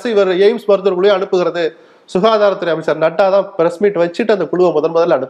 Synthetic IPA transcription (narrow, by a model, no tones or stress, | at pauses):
sɐɪʋɐɾeɪmsmɐɾt̪ɯɾkʊɭɯj̃ɐɳɯpːɯɣɪɾɐðɯ | sʊɣaːðaːɾɐt̪ːɯɾɐjɐmɪsaːɾnɐʈːaːt̪ãːpɪɾɐsmiːʈːʋɐt͡ʃːɪʈːɯɐnd̪ɐkʊɻʊʋɐmɔðɐlmɔðɐlɐɳɯpː